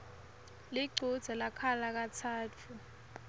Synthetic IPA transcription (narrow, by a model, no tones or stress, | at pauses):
liɡ͡ǀʱud̥z̥ʱɛlakʰalak̬atʰaːtʰu